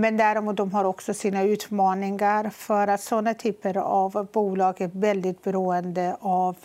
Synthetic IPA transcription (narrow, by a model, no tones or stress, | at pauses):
mɛnd̪æɾɪmuːt̪̚d̪ɔmɦaɾɔksɔsiːnaʉ̟ːt̪mɑːnɪŋaɾfœɾat̪sɔnːat̪ʰyːpəɾavbuːlɑːɡævɛld̪ɪt̪̚bɛɾuːənd̪əʔav